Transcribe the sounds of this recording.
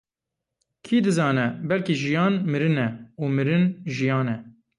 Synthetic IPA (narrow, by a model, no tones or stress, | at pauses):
kʰiːd̪ɨzɑːnɛbɛlkiʒijɑːnmɨɾɨnɛuːmɨɾɨnʒijɑːnɛ